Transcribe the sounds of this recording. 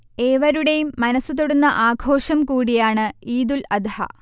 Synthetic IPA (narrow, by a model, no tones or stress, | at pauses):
eːʋɐɾuɽejumːɐnɐsːɨt̪oɽunːɐʔaːɡʱo̞ːʂɐmkuːɽijaːɳɨiːd̪ulɐd̪ʱhɐ̰